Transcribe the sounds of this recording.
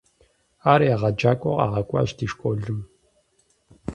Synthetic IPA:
aːɾjaʁɐd͡ʒaːkʷʼɔ̰qʼa̰ːʁɐkʷʼa̰ːʒdiːʃkʷʼoːɮɨm

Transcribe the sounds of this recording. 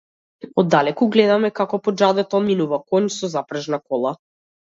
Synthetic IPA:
ɔd̪ːalɛkuɡlɛd̪amɛkakɔpɔd͡ʒad̪ɛt̪ɔminuvakɔɲsɔzapɾaʒnakɔlˠa

